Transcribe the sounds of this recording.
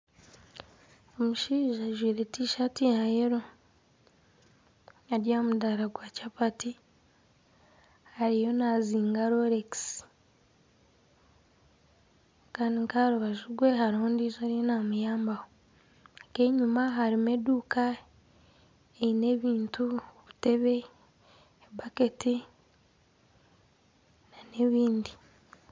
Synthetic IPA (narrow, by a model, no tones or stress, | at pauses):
omuʃiːʒaʒwiːɾetiʃatijajeɾo | aɾjamudaɾaɡwaːcapati | haɾijo̞naziːŋɡaɾoɾeksi̥ | kaːndiŋkaɾuβaʒuɡwe̞ɦaɾuːndiːzoɾijonamujaːmbaho | keɲumaɦaɾime̞duːka | eine̞βiːntuβute̞βe̞ː | bake̞ti | nane̞βiːndi